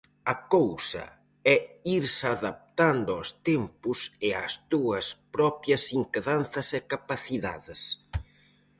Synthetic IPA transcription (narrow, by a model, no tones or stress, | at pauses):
ɐkowsɐ̰ | ɛiɾsaðap̚t̪and̪ʊɔst̪empʊsɪa̰zd̪uɐspɾɔpjɐsiŋkeðan̟θɐsɪkapaθiða̰ðɪs